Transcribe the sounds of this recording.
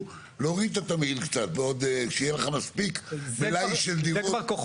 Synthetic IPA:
loʁit̪at̪ameilkt͡sat̪veod̪kʃejeleχamaspikbelajʃeld̪iʁoakoχ

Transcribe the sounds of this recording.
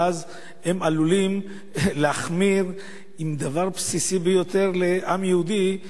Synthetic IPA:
az | he̞malulim | leaχmiʁ | imd̪avaʁpsisibejo̞t̪e̞ʁle̞ʔamjeud̪i

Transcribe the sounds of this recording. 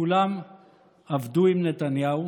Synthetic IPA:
ulam | avd̪uimnet̪anjau

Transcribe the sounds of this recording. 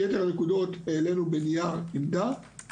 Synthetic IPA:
jete̞ʁanekud̪o̞t̪ele̞nubenijanimd̪a

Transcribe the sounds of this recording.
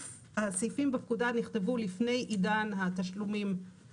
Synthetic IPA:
asijfimbepkudaniχt̪e̞vulifne̞jʔidanɦat̪aʃlumim

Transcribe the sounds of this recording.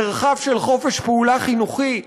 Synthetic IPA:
eʁχavʃelχo̞feʃpeulaχinuχi

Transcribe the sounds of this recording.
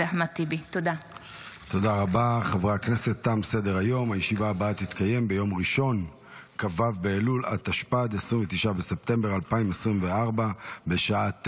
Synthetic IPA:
eaħmat̪ibit̪od̪a | t̪o̞daʁabaχavʁaakne̞se̞t̪ːamse̞de̞ʁajo̞majeʃivaːbaat̪it̪kaje̞mbe̞jo̞mʁiʃo̞n | kavavbeːlulʔat̪aʃpad̪esʁimvet̪iʃabe̞se̞p̚t̪e̞mbeʁalpaimesʁimveaʁbabe̞ʃaat̪

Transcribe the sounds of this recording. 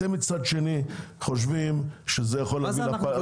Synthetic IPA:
emit͡sad̪ʃe̞niχoʃ̬vimʃezejaχolavilapa

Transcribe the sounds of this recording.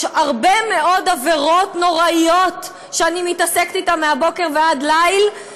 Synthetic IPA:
aʁbeme̞ʔo̞daveʁo̞tno̞ʁaijo̞t̪ | ʃeanimitasekt̪itamːeabo̞ke̞ʁvead̪lajl

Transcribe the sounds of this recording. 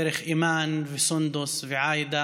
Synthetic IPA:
ɾɪxʔiːmaːnvisʊnd̪ʊsˤviʕaːjd̪a

